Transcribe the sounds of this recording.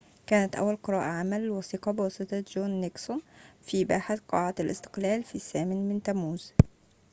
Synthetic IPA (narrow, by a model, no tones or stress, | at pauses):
kæːnæt̪ʔæ̰wːælqɨɾˤɑːʔaʕamælwɑsiːqɑbɪwɑsˤɨt̪ˤɑd͡ʒoːnːeksonfibaːħaθqɑːʕalʔɪ̰st̪ɪ̥qlæːlfiːsæːmɪnmɪnt̪æmuːz̥